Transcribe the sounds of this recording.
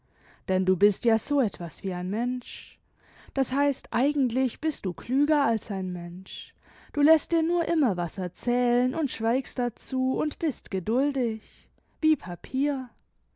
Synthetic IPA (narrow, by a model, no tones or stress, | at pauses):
d̥ɛnduːbɪstjaːz̥oːɛtv̥asviːaɪnmɛnʃ | d̥ashaɪstʔaɪɡŋ̩tlɪçb̥ɪst̚d̥uːkʰlyːɡɐalsaɪnmɛnʃ | d̥uːlɛst̚d̥iːɐnuːɐʔɪmɐvasɛɐt͡sɛːlənʔʊntʃv̥aɪkstd̥at͡suːʊntb̥ɪstɡ̥ədʊldɪç | viːpʰapʰiːɐ